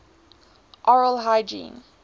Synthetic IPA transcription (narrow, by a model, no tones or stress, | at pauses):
ʔɔɹəlˠɦaɪd͡ʒḭ̃ːn